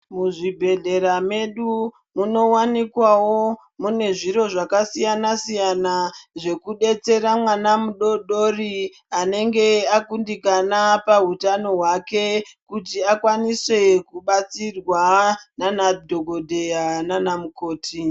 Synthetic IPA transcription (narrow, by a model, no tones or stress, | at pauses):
muʐibʱe̞ɮe̞ɾame̞ɗu | muno̞wanikwawo̞ | mune̞ʐiɾo̞ʐakasijanasijanaʐe̞kuɗe̞t͡se̞ɾamwanamuɗoɗori | ane̞ŋɡe̞akundikanapautano̞ɦwake̞kutiakwaniswe̞kuɓat͡sirwananadʱo̞ɡʱo̞dʱe̞jananamuko̞ːtʰi